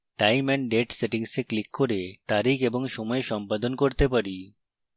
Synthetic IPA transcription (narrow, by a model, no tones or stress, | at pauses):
ʈajmɛnɖeʈseʈiŋseklikːoɾet̪aɾikeboŋʃɔmɔeʃɔmpad̪onkoɾt̪epaɾi